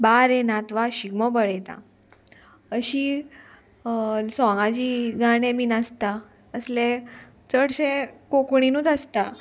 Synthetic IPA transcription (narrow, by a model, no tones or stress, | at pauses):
baɾẽnat̪ʋaɕiɡmɔbəɭet̪a̰ | əɕi | sɔ̃ŋɡãd͡ʑiɡaɽ̃ẽminast̪a | əslẽ | t͡səɽɕẽkokɳ̃inuːt̪əst̪a